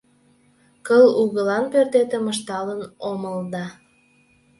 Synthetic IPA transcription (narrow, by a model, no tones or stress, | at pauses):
kəluɣəlɑnpørt̪et̪eməʃt̪ɑlənoməld̪ɑ